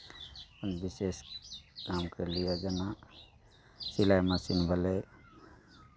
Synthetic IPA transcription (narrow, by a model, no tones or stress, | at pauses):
ənbiseskamkəɾlijad͡ʒɐna | silajmasinbʱəle